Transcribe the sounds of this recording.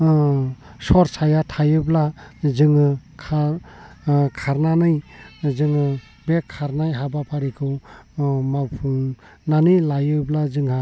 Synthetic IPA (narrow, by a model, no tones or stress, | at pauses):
sɔɾsajatʰajɯblazɯŋɯkʰa | kʰaɾnanɯjzɯŋɯ | bekʰːaɾnajɦabapʰaɾikʰɯw | mawpʰun | nanɯjlajɯblazɯŋɦa